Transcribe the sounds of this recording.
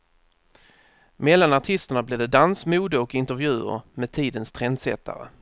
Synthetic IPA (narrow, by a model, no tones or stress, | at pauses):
mɛlːanaʈʰɪst̪əɳableːd̪ɛd̪ansmuːd̪əɔkɪnt̪əɾvjʉ̟ːə̰ɾmɛːd̪̚t̪ʰiːd̪ənst̪ʰɾɛnd̪sɛ̰t̪ʰːa̰ɾə̰